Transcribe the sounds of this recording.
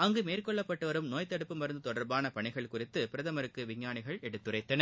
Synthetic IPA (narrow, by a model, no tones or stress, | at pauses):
ɐŋɡɯmeːrkɔɭːɐpːɐʈːɯʋɐɾɯmnoːjt̪ɐɽɯpːɯmɐɾɯnd̪ɯt̪ɔɽɐɾbaːnɐpɐɳɪɣɐɭkʊrɪt̪ːɯpɪɾɐðɐmɐɾɯkːɯʋɪɲːaːɳɪɣɐɭɛɽɯt̪ːɯrɐɪːɐnɐ